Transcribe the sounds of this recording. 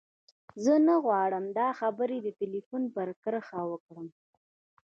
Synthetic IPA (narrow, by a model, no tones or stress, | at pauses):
zənaɣwɑɽəmd̪ɑxabəɾed̪əʈilifunpəɾkəɾəxawəkɽəm